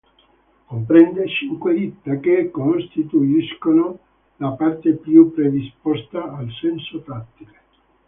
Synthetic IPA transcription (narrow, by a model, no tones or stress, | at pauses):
kompɾɛnd̪et͡ʃiŋkwed̪it̪ːakekːonst̪it̪uiskono | lapart̪epjupɾed̪ispɔst̪aalsɛnsofɾat̪ːile